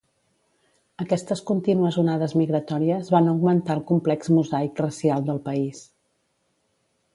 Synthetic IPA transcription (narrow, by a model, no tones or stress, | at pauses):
əkɛst̪əskunt̪inuəzunaðəzmiɣɾət̪ɔɾiəzβanəwɡmənt̪aəlˠkumplɛkzmuzajkrəsialˠd̪əlˠpəis